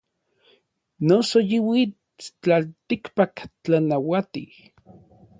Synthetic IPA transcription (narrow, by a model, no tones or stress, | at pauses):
nosojiwi | t͡ɬalt̪ikpakt͡ɬanawat̪i